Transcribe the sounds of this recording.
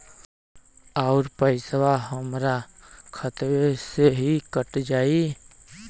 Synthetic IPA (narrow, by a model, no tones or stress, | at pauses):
aːʊɾpəɪsʋaɦəmɾakʰət̪weseɦikəʈd͡ʒaːi